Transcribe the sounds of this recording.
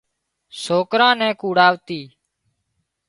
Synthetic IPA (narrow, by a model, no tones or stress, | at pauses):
soːkɾãːnɛ̃ːkuːɽaːʋt̪iː